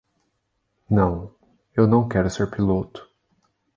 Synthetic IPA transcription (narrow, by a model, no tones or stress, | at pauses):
nɐ̃w̃ | ewnɐ̃w̃kɛɾʊseɾpilot̪ʊ̥